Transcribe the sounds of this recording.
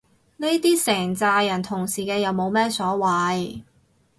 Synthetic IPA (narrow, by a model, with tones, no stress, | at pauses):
ne˥jt̪iː˥sɛː˨˩ŋt͡saː˧jɐ˨˩nt̪ʰʊ˨˩ŋsiː˨˩kɛː˧jɐ˨˧wmo˨˧wmɛː˥sɔː˨˥wɐ˨˧j